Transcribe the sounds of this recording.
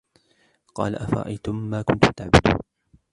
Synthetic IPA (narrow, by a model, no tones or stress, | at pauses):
qɑ̰ːlaʔafɑɾˤɑ̰ʔa̰jt̪ʊmːaːkʊnt̪ʊmt̪aʕbʊd̪ṵːn